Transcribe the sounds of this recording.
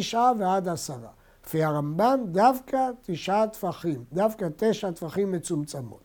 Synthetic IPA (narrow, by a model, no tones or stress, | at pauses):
iʃʔavead̪asaʁa̰ | kfiaʁamband̪avkat̪iʃʔat̪faχimd̪avkat̪eʃat̪faχimːet͡sumt͡samo̰t